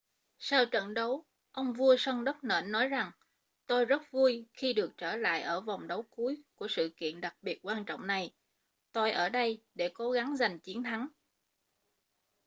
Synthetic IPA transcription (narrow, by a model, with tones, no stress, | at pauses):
saː˧wt͡ɕə̰˧˨nɗə˨˦w | ʔə˧wŋ͡mvu˧əsə˧ŋɗə˦˥k͡p̚nə̰ː˧˩nːɔ˨˦jza˨˩ŋ | t̪o˧jzə˦˥t̚vu˧əjxi˧ɗɨ˨˩ək̚t͡ɕəː˧˩la̰ː˧˨jʔəː˧˩va˨˩wŋ͡mɗə˨˦wku˨˦jku˧˩əsɨ̰˧˨kḭ˧˨ənɗa˨˩k̚ɓi˨˩ət̚kwaː˧nt͡ɕɔ̰˧˨wŋ͡mna˨˩j | t̪o˧jʔəː˧˩ɗə˧jɗe˧˩ko˨˦ɣa˨˦ŋza˨˩jŋ̟t͡ɕi˨˦ənt̪ʰa˨˦ŋ